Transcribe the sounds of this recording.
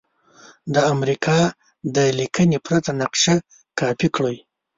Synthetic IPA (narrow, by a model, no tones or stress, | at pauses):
d̪əamɾikʰɑ | d̪əlikənepɾat̪anaqʃa | kɑpikɽoj